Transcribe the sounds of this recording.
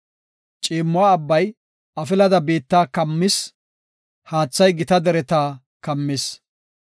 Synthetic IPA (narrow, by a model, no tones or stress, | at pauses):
t͡ʃʼiːmːʊwaːɐbːɐj | ɐfɪlɐd̪ɐbeːt̪ːaːkɐmːɪs | haːt͡sːɐjɡɪt̪ɐd̪ɛɾɛt̪aː | kɐmːɪs